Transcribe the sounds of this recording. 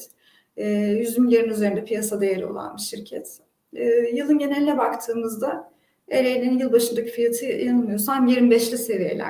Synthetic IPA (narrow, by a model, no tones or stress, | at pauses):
jyzynjeɾinyze̞ɾind̪ɛpʰijasad̪e̞jeɾio̞̰lˠa̰nbiʃiɾcʰɛt̪ː | jɯlˠɯnɟe̞nelʲilʲɛbakt̪ʰɯːmɯzd̪a | eɾejlʲeinjɯlˠbaʃɯnd̪akɯ̥fijat̪ʰɯjanɯmɯjosanamjeɾimbɛʃlʲise̞vije̞̰lʲæ̰